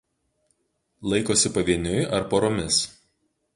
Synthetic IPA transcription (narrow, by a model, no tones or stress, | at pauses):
lˠɐɪkoːsʲɪpɐʋʲiɛnʲʊɪʔɐɾpoːɾoːmʲɪs